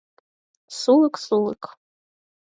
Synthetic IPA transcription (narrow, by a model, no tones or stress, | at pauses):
sulɨkʼsulɨkʼ